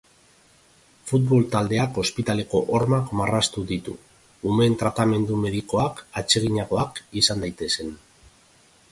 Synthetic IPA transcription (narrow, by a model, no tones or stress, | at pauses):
fut̪βo̞lt̪ald̪e̞ako̞spit̪ale̞ko̞ʔoɾmakmarast̪uðit̪ṵː | me̞nt̪ɾat̪ame̞nd̪ume̞ðiko̞akat͡ʃe̞ɣiɲaɣo̞akisand̪ajt̪e̞se̞n